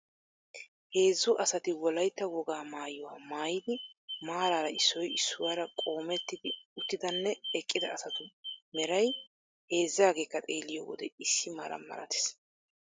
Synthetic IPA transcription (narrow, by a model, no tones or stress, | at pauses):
he̞ːzːʊʔɐsɐt̪ɪwɔlɐjt̪ːɐwɔɡaːmaːjʊwa̰ːmaːjɪd̪ɪmaːɾaːɾɐɪsːɔjɪsːʊwaːɾɐkʼoːmɛt̪ːɪd̪ɪʊt̪ːɪd̪ɐnːɛɛkʼːɪd̪ɐːsɐt̪ʊmɛɾɐj | he̞ːzːaːɡe̞ːkːɐt̪ʼe̞ːlːɪjo̰ːwɔ̰d̪ɛɪsːɪmaːɾɐ̰mːɐ̰ɾɐ̰t̪e̥s